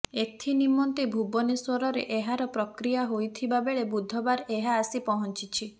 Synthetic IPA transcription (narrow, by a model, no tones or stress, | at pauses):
et̪ʰinimɔnt̪ibʱubɔneswɔɾɔɾḛʔeɦaɾɔpɾɔkɾijaɦojt̪ʰibabeɭebud̪ʱːɔbaɾeɦaːsipɔɦɔnt͡ʃit͡ʃʰi